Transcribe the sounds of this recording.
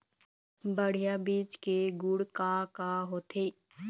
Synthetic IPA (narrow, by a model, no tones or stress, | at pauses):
bəɽ̤ijabiːt͡ʃkeɡʊɽkaːkaɦoːt̪ʰe